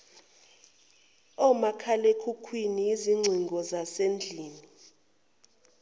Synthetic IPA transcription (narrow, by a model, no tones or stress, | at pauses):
ɔmakʰalekʰukʰwiniiziŋ͡ǀʱiŋɡʱɔzasend͡ɮʱiːni